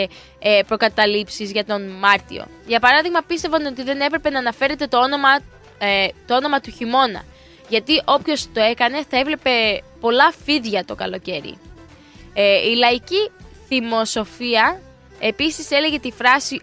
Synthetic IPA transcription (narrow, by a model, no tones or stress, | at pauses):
pɾo̞kɐt̪ɐlipsizʝɐt̪o̞nmɐɾt̪ḭo̞̰ʝɐpɐɾɐðiɣmɐpist̪evɐno̞t̪iðe̞ne̞pɾe̞pe̞nɐːnɐfe̞ɾe̞t̪e̞t̪oono̞mɐ | t̪oo̞no̞mɐt̪uçimo̞nɐ̰ | ʝɐt̪iʔo̞pço̞st̪o̞e̞kɐne̞θɐe̞vle̞pe̞po̞lɐfiðʝɐt̪o̞kɐlo̞ce̞ɾḭ | ilɐiciθimo̞so̞fiɐ | e̞pisise̞le̞ʝe̞t̪ifɾɐsi